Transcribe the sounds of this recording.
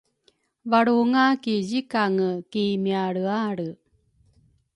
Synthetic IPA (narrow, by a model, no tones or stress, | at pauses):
vaɽuŋakizikaŋəkimiaɽɯaɽɯ